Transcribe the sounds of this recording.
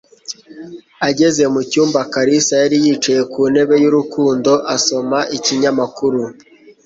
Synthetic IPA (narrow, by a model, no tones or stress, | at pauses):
aɟe̞ze̞mucuːmbakaɾisajaɾijiːt͡ʃaje̞kuːne̞βe̞juɾukuːndo̞ʔaso̞maʔiciɲamakuɾu